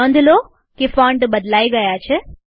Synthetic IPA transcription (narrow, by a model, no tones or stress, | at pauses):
ɐnd̪uloː | kifaːɳɖbɐd̪laːjiɡɐːjaːt͡ʃʰe